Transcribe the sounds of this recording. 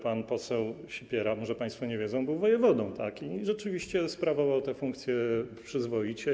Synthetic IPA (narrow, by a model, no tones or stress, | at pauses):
panpɔsɛw | ɕipʲjɛɾamɔʐɛpaj̃st̪fɔɲɛvʲjɛdzɔ̃w̃bɘwvɔjɛvɔd̪ɔ̃w̃t̪akiʐɛt͡ʂɘvʲiɕt͡ɕɛspɾavɔvawt̪ɛfuŋkt̪sʲjɛpʂɘzvɔjit͡ɕɛ